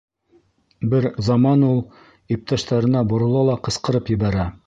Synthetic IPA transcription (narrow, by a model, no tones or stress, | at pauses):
bɘɾzɑmɑnulˠ | ip̚t̪ɑʃt̪ɑɾɤ̆nɑbŏɾŏlˠɑlˠɑqɤ̆sqɤ̆ɾɤpjɘ̆βæɾæ